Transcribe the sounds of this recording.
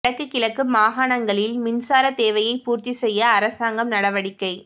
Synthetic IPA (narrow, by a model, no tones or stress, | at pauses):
ɐkːɯkːɪɭɐkːɯmaːɦaːɳɐŋɡɐɭɪlmɪnsaːɾɐt̪eːʋɐjɐɪpuːɾt̪isɛjːɐːɾɐsaːŋɡɐmnɐɽɐʋɐɽɪkːɐɪ